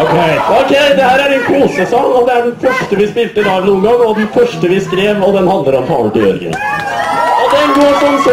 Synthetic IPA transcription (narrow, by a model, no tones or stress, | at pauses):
okʰeɪɔkʰɛɪd̪ɛhæːɾæɾɛnkʰuːsəsɔŋːɔd̪ɛæɖɛnfœʂʈəʋɪspɪlt̪əd̪ɑnuːənɡɑŋːɔd̪ɛnfœʂʈəʋɪskɾeːʋɔd̪ɛnhɑnd̪əɾɔmt̪ʰɑ̰ːlət̪ɪjœ̰ɾɡə̰n | ɔd̪ɛɡoːʂɔms